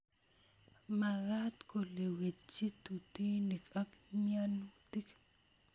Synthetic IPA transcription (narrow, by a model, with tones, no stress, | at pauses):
ma˨ɾa˦t̪ko˨le˨we˨t͡ʃi˦t̪u˨t̪i˦ni˨kʼa˦kmjanut̪i˦k